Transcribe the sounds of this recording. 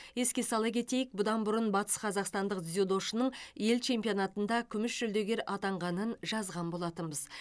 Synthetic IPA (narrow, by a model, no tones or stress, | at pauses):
je̞skʲe̞sɑlˠəkʲʰe̞t̪e̞jɪk̚bʊd̪ɑnbʊɾənbɑt̪ə̥sqʰɑzɑqst̪ɑnd̪əq̪zud̪o̞ʃənəɴje̞lt͡ʃʰe̞mpio̞nɑt̪ənd̪ɑkʲʰʏmɪʃʒʏld̪e̞ɡʲe̞ɾɑt̪ɑɴʁɑnənʒɑzʁɑnbo̞lˠɑt̪ənbəz